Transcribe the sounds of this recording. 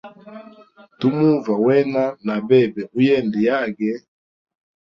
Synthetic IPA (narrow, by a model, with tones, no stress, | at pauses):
tu˦mu˦va˨wɛ˦na˦na˨bɛ˦˨bɛ˨ʔu˦jɛ˦˨ndi˨ja˦˨ɡɛ˦